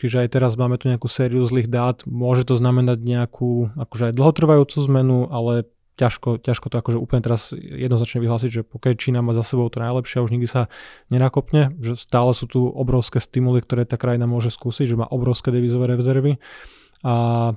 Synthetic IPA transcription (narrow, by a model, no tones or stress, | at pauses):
t͡ʃiʒɛajt̪ɛɾazmaːmɛt̪uɲɛakuːsɛːɾiuzliːɣd̪aːt̪mʊɔʒɛt̪ɔznamɛnaɟɲɛakʰuːakɔʒɛajd̪l̩ˠɦɔt̪r̩ʋajuːt͡suːzmɛnuʔalɛ | caʃkɔcaʃkɔt̪ɔakɔʒɛuːpl̩ɲɛt̪ɛɾazjɛ̰d̪nɔznat͡ʃɲɛʋiɦlaːs̬iɟʒɛpɔkat͡ʃiːnamaːzasɛbɔʊt̪ɔnajlɛpʃɪauʒɲiɡd̪isaɲɛnakɔpɲɛʒɛst̪aːlɛsuːt̪uʔɔbɾɔʊskɛːst̪imulikt̪ɔɾɛːt̪aːkɾajinamʊɔʒɛskuːsiɟʒɛma̰ːʔɔbɾɔʊskɛːd̪ɛʋiːzɔʋɛːɾɛzɛɾʋi | a